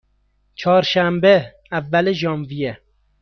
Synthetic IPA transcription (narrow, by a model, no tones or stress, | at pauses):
t͡ʃʰɒːɾʃæmbe | ævːæleʒɒːmvije